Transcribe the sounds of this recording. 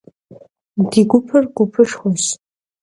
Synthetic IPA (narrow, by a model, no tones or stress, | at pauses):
diɡʷʊpʰɨrɡʷʊpʰɨʂχʷos